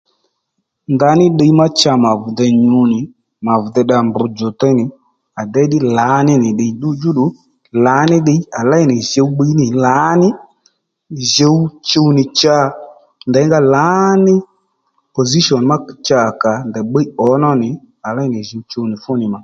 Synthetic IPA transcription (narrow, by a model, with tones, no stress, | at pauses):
nda˧˦nɪ˦ɗe˧i˦ma˦t͡ʃa˧ma˨vʊ˨d̪ɛ˧ɲu˧˦nɪ˨ | ma˨vdɛ˧ɗa˧mbʊ˨˧d͡ʒo˨tɔ˦˧˦nɪ˨ | a˨dɛ˦ɗɪ˦la˨˦nɪ˦nɪ˨ɗe˨˧i˦dʊ˦d͡ʒu˦ɗʊ˨˦ | la˨˦nɪ˦ɗe˧˦a˨la˦ɪ˦˨nɪ˨ʒe˧u˦ɓə˧i˦nɪ˨la˨˦nɪ˦ | ʒe˧wu˦t͡ʃo˧wnɪ˨t͡ʃa˦˨ | ndɛ˨˦ŋɡa˦la˨˦nɪ˦ | po˨zi˦ʃɔ˨n˨ma˦˨t͡ʃa˨ka˨ndɛ˨ɓe˦i˦ɔ˨˦nɔ˦nɪ˨ | a˨la˦ɪ˦nɪ˨ʒe˧wt͡ʃo˧wnɪ˨fʊ˦nɪ˨ma˨